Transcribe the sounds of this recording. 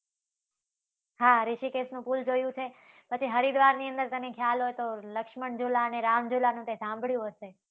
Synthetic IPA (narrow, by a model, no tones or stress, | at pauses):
ɦaɾɪʃikesnũpuld͡ʒojũt͡ʃʰe | pət͡ʃʰiɦəɾid̪ʋaɾniə̃nd̪əɾt̪ənekʰjalɦojt̪oləkʃməɳd͡ʒulaəneɾamd͡ʒulanũt̪esãmbʱɭjũɦəʃe